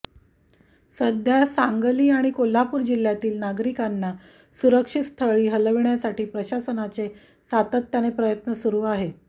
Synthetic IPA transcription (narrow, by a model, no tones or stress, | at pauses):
səd̪ʱjasaŋɡəliːaɽ̃ikol̤apuːɾd͡ʑil̤jat̪iːlnaɡɾikanːa | suɾəkʂit̪st̪ʰəɭiːɦələʋɳjasaʈiːpɾəɕasənat͡se | sat̪ət̪ːjanepɾəjət̪nəsuɾuːaɦe